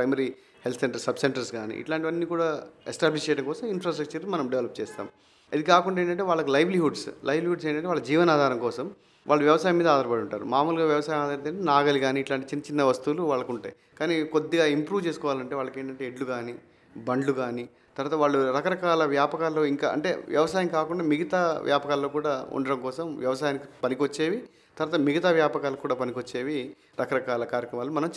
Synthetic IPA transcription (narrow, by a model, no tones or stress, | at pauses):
pɾɐjmɐɾi | helt̪ʰseɳʈɐɾsɐbseɳʈɐɾsɡaːnḭḭʈlaːɳʈiʋɐnːiːkuːɽaːesʈaːbliʃt͡ʃejɽɐŋkɔːsɐminfɾaːsʈɾɐk̚t͡ʃɐɾnumɐnɐmɖeʋlɐp̚t͡ʃɛːst̪a̰ːm | ɐd̪ikaːkuɳɖaːeːɳʈɐɳʈeːʋaːɭːɐkulɐjʋliɦuɖslʔɐjʋliɦuɖseːɳʈɐɳʈeʋaːɭːɐd͡ʒiːʋɐnaːd̪ʱaːɾɐŋkɔːsɐm | ʋʔa̰ːɭːɐʋjɐʋɐsaːjɐmiːd̪ɐaːd̪ɐɾɐpɐɽuɳʈaːɾṵmaːmuːlɡaːʋjɐʋɐsaːjɐmaːd̪ɐɾɐt̪eɳenaːɡɐliɡaːniːʈlaːɳʈit͡ʃinːɐt͡ʃinːɐʋɐst̪uluʋaːɭːɐkuɳʈa̰ːji | kaːnikod̪ːiɡaːimpɾuːʋt͡ʃe̞ːsu̥kɔːʋaːlɐɳʈeʋaːɭːɐke̞ːɳʈɐɳʈeeɖluɡaːni | bɐɳɖluɡaːni | t̪ɐɾaːt̪ɐʋaːɭːuɾɐkɐɾɐkaːlɐʋjaːpɐkaːloːiŋka̰ːʔɐ̰ɳʈe̞̰ːʋjɐ̰ʋɐsaːjɐŋkaːkuɳɖaːmiɡɐt̪aːʋjaːpɐkaːlːo̞ːkuːɽaːṵɳɖɐɽɐŋkɔːsɐmʋjɐʋɐsaːjanikipɐnikʋɐt͡ʃːe̞ːʋi | t̪ɐɾaːt̪ɐmiɡɐt̪aːʋjaːpɐkaːlɐkkːuːɽaːpɐnikʋɐt͡ʃːe̞ːʋi | ɾɐkɐɾɐkaːlɐkaːɾjɐkɾɐmaːlomɐnɐm